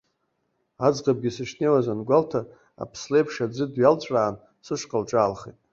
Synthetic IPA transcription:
ad͡zqʼab̚ɡʲisɨʂnejwazanɡʷaltʰa | a̰pʰslejpʰʂad͡zɨdɥjalt͡ɕʷʼraːn | sɨʂqʼəlʈ͡ʂʼaːlχḛtʼ

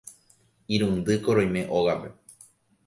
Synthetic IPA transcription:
iɾũnd̪ɨkoɾõj̃mẽ̞ʔoɣape̞

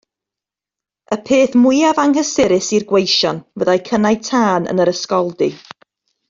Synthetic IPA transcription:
əpʰeːθmʊjavaŋɦəsɪɾɪsirɡwejʃɔnvəðajkʰənajtʰaːnə̰nəɾəskɔlˠdi

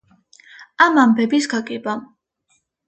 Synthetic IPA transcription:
amambɛbisɡakʼɛba

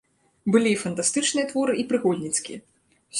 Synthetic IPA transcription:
bɨlʲiːfɐnt̪ast̪ɨt͡ʂnɨjɛt̪vɔɾɨʔipɾɨɣɔlʲnʲit̪skʲḭjɛ | sʲ

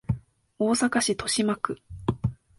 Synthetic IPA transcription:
o̞ːsakaɕit̪o̞ɕimakɯ̟

